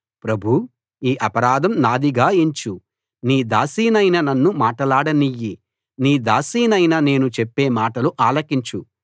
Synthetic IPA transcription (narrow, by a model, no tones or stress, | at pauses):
pɾɐbʱu | iːʔɐpɐɾaːd̪ɐmnaːd̪iɡaːeɲt͡ʃu | niːd̪aːsiːnɐjnɐnɐnːumaːʈɐlaːɽɐnijːi | niːd̪aːsiːnɐjnɐne̞ːnut͡ʃepːe̞ːmaːʈɐluʔaːlɐkiɲt͡ʃu